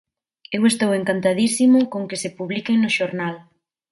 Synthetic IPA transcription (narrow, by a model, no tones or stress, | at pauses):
ewest̪oweŋkant̪aðisimʊkoŋkɪsɪpuβlikeŋnʊʃoɾnal